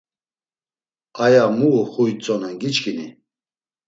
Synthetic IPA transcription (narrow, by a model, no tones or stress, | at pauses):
ajamuːχujt͡sʼɔnɛnɡit͡ʃkʰʼinḭ